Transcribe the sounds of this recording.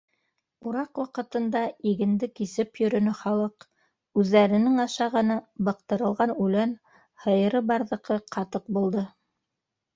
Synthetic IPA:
uɾɑqwɑqɤ̆t̪ɤ̆nd̪ɑiɡɘ̆nd̪ɘkisɘpjɵ̆ɾɵ̆nɵχɑlˠɤq | ʉðːæɾɘ̆nɘŋɑʃɑʁɤ̆nɤbɑq̚t̪ɤ̆ɾɤ̆lˠʁɑnʉlæn | hɤ̆jɤ̆ɾɤbɑɾðɤ̆qɤqʰɑt̪ɤq̚bulˠd̪ɤ

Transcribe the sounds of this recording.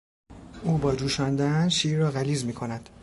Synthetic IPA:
ʔuːbɒːd͡ʒuːʃɒːnd̪ænʃiːɾːɒːɣæliːzmiːkʰo̞næd̪̥

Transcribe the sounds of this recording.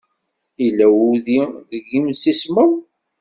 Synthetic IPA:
ilːæwuðiðəɡːimsisməw

